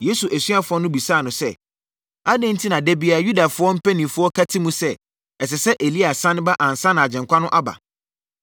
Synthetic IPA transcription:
je˦su˨ʔæ˨sɥa˨fʊ˨˦ɔ˦nʊ̃˦bi˨saː˦˨nʊ̃˨sɛ˦˨ | a˦dɪ̃˦n̩˦tʰi˦nã˨dɛ˦bi˦a˨ju˦da˨fʊ˦ɔ˦m̩˦pʰæ˦nĩ˨fʊ˦ɔ˦kʰa˦tʰɪ˦mũ˦sɛ˦ | ɛ˨s̬ɛ˨sɛ˦ʔe˨li˦a˨sã˦nɪ̃˦ba˦ʔã˨n̩˨sã˦nã˨a˨d͡ʑɛ̃˨ŋkʷʰa˦nʊ̃˦ʔa˦ba̰˨

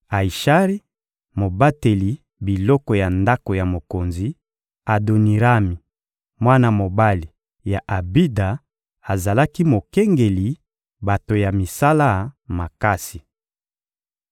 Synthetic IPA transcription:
a˨i˨ʃa˦ʁi˦ | mo˨ba˦te˨li˨ | bi˨lɔ˦kɔ˨ja˨nda˦ko˨ja˨mo˨ko˨nzi˨˦ | a˨do˨ni˨ʁa˦mi˨ | mwa˦na˨mo˨ba˦li˨ | ja˨ʔa˨bi˦da˨ | a˨za˨la˦ki˦mo˨kɛ˦ŋɡe˨li˨ | ba˨to˨ja˨mi˨sa˦la˦ma˨ka˦si˨

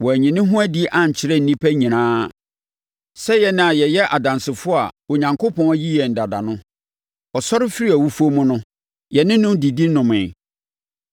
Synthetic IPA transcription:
wɔ˨æ˨ɲĩ˨nɪ̃˦ɦʊ̃˦æ˦di˦ʔã˨ɲ˨t͡ɕʰɪ˨ɾɛ˦n̩˦nĩ˦pʰæ˦ɲĩ˨nãː˦ | sɛ˦jɛ˨nɪ̃˦a˨jɛ˨jɛ˦ʔa˨dã˨nsɪ˨fʊ˦a˨wo˨ɲã˨ŋkʰo˦pʰɔ̃˦n˦ji˦jɛ˨n̩˨da˨da˨nʊ̃˦ | ɔ˨sɔ˦ɾɪ˦fi˦ɾi˦æ˨wu˦fu˦o˦mʊ̃˦nʊ̃˦ | jɛ˨nɪ̃˦nʊ̃˦mdi˨di˦nʊ̃˨mɪ̃˨

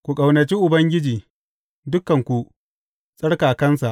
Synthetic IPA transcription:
kʷu˨kʼɐ˨wnɐ˨t͡ʃiː˦ʔʊ˨bɐ˦ŋɡʲɪ˦d͡ʒiː˨ | dʊ˦kːɐ˨ŋkʷu˨ʔ | sʼɐ˦ɽkaː˨kɐ˦nsa˨ʔ

